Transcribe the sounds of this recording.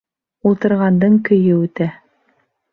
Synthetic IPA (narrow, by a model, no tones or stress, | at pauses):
ulˠt̪ɤ̆ɾʁɑnd̪ɤɴkɵ̆jɘʉt̪æ